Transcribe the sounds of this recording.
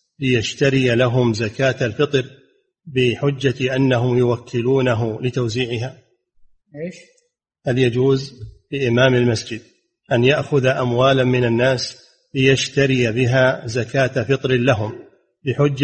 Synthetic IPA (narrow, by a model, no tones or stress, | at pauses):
lɪjaʃt̪aɾɪjalaɦʊmzakaːt̪alfɨt̪ˤɾ | bɪħʊd͡ʒːaʔanːaɦʊmjʊwakʰːɪluːnaɦʊlɪt̪awziːʕɪɦaː | eːʃ | haljad͡ʒuːzlɪʔɪmaːmalmasd͡ʒɪd̪̚ | ʔanjaʔxʊðaʔamwaːlamɪnanːaːs | lɪjaʃt̪aɾɪjabɪɦaːzakaːt̪afɨt̪ˤɾɪlaɦʊm | bɪħʊd͡ʒː